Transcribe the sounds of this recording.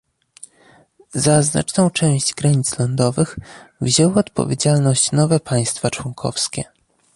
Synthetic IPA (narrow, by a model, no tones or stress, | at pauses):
zazna̰t͡ʂnɔ̃w̃t͡ʂɛw̃ɕd͡ʑɡɾaɲit̪slɔnd̪ɔvɘxvʑɛwɔt̪pɔ̰vʲjed͡ʑalnɔɕt͡ɕnɔvɛpʰaj̃st̪fat͡ʂwɔŋkʰɔ̰fskʲɛ